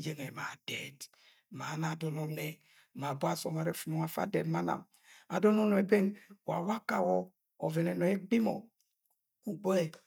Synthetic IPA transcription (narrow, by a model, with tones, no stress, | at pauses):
je˨ŋe˨ma˨d̥ɛ˨d | ma˨˦na˨dɔ˨nɔ˦nɛ˨ | ma˨bo˦a˦sɔ˨ma˨ɾɛ˦fu˨nɔ˨ŋa˨fa̰˦dɛ˨dma˦na̰˨m | a˨dɔ˦nɔ˦nɔ˨e˨be˦ŋwa̰˨wa˦ka˨wɔː˦˨ | vɛ˨nɛ˨nɔ˨ɛ˦ɡ͡bi˦mɔ̰˨ | ku˨ɡ͡bo˦ɛ˨